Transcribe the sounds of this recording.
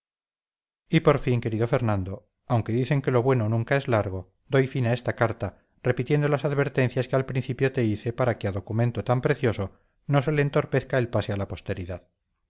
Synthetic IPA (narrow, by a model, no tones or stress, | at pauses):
ipo̞ɾfiŋke̞ɾiðo̞fe̞ɾnãnd̪o | awŋke̞ðiθe̞ŋke̞lo̞βwe̞no̞nũŋkaezlaɾɣ̞o̞ | d̪o̞jfinaest̪akaɾt̪a | repit̪je̞nd̪olasaðβe̞ɾt̪e̞n̟θjaskealpɾinθipjo̞t̪e̞iθe̞paɾakeaðo̞kumẽ̞nt̪o̞t̪ampɾe̞θjo̞so̞ | no̞se̞leːnt̪o̞ɾpe̞θkaelpasealapo̞st̪e̞ɾiðað